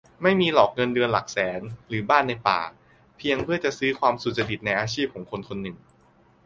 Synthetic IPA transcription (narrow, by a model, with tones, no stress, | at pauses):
ma˥˩jmiː˧lɔː˨˩k̚ŋɤ˧ndɯ˧ənla˨˩k̚sɛː˩˦nɾɯː˩˦baː˥˩nːa˧jpa̰ː˨˩ | pʰi˧əŋpʰɯ˥˩ɐt͡ɕa˨˩ʔsɯː˦˥kʰwaː˧msu˨˩t̪̚sa˧ɾi˨˩t̪̚na˧jʔaː˧t͡ɕʰiː˥˩p̚kʰɔː˩˦ŋkʰo˧nkʰo˧nːɯ˨˩ŋ